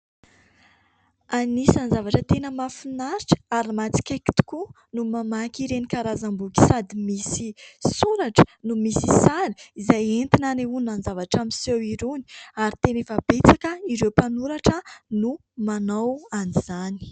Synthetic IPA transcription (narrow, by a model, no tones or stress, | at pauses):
anisanzavaʈ͡ʂət̪enəmafinaɾiʈ͡ʂə̥aɾimat͡si̥kʲeki̥t̪u̥ku | numamakʲiɾenikaɾazambukʲi̥sad̪imisisuɾaʈ͡ʂə̥numisisaɾi̥izajent̪inaneunanzavaʈ͡ʂamisewiɾuni̥aɾit̪enefab̥et͡sakəiɾewpanuɾaʈ͡ʂənu | manawaniz̥ani̥